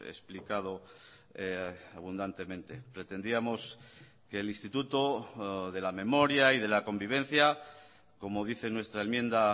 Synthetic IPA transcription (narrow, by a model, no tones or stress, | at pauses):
ḛsplikað̞o̞ | aβund̪ant̪e̞mẽ̞nt̪e̞pɾe̞t̪e̞nd̪iamo̞s | keːlĩst̪it̪ut̪oðe̞lame̞mo̞ɾjaið̞e̞lako̞mbiβ̞e̞n̟θja | ko̞mo̞ðiθe̞nwe̞st̪ɾaenmjẽ̞nd̪a